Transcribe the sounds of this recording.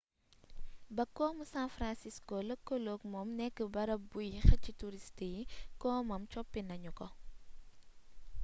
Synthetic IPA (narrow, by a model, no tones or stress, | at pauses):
bɐkːɔːmusanfɾansiskoləkːɔloːkmɔmnɛkːəbɐɾɐbujxɐcituɾistijikɔːmɐmt͡ʃɔpːinɐɲukɔ